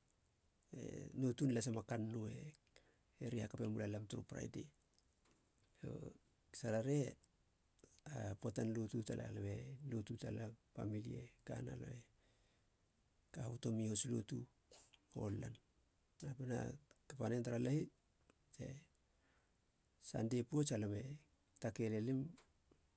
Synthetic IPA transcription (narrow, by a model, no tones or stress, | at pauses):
ḛnotunlas̬amakanːoe | eɾihakapemulalamtuɾṵpɾa̰jde | o̰ | saɾaɾe | apotanlotutalʔa̰lamelotutalapa̰milieka̰na̰lo̰me | kahotomihoslo̰tu | o̰lːan | apena̰kapanentaɾalahit | te̞ | sa̰ndepuot͡ʃalame̞ | take̞lelim